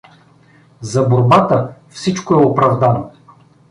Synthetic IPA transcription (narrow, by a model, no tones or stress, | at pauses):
zɐboɾbat̪əfsit͡ʃkoɛopɾɐvd̪ano